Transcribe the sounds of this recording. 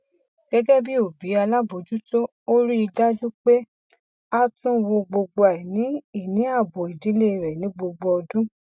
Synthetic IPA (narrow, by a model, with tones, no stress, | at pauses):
ɡ̥ɛ˦ɡɛ˦bi˦o˨bi˨˦a˧la˦bo˨˦d͡ʒu˦to˦ | o˦ɾi˦i˧da˦d͡ʒu˦k͡pe˦ | a˦tũ˦wo˧ɡ͡bo˧ɡ͡bo˧a˨ɛ˨nĩ˨˦i˦˨nĩ˨˦a˦˨bo˨i˨di˨˦le˦˨ɾɛ˨nĩ˨˦ɡ͡bo˧ɡ͡bo˧ɔ˧dũ˦